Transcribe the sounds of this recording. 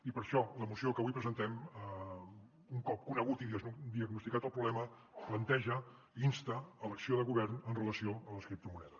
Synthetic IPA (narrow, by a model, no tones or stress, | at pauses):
ipəɾʃɔləmusiokəβujpɾəzənt̪ɛmə | uŋkɔp̚kunəɣut̪iðiəd̪iəɡnust̪ikat̪əlˠpɾuβlɛmə | plənt̪ɛʒə | inst̪əːləksioðəɣuβɛrnənrələsioələskɾip̚t̪əmunɛðə